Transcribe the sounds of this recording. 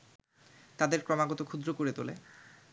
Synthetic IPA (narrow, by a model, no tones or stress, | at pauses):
t̪ad̪eɾkɾɔmaɡɔt̪okʰud̪ɾokoɾet̪olḛ